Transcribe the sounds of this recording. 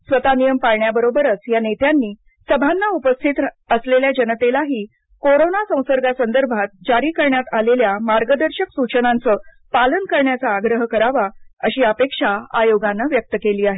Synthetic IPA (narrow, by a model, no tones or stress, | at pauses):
sʋət̪anijəmpaɾɳjabəɾobəɾət͡sjanet̪janːiː | səbʱanːaupəst̪ʰit̪ | əsleljad͡ʑənət̪elaɦiː | koɾonasə̃w̃səɾɡasənd̪əɾbʱat̪̚d͡ʑaɾiːkəɾɳjat̪aleljamaɾɡəd̪əɾɕəksut͡ɕənant͡səː | palənkəɾɳjat͡saːɡɾəɦkəɾaʋaəɕiːəpekʂaajoɡanːəʋjək̚t̪əkeliːaɦe